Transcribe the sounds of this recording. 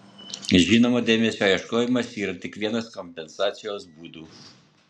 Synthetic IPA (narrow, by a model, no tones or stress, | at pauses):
ʒʲiːnoːmod̪ʲeːmʲɛsʲoːjɛʃkoːjɪmɐsiːɾɐt̪ʲɪkʋʲiɛnɐskɔmʲpʲɛnsɑːt̪sʲɪjoːsbuːd̪uː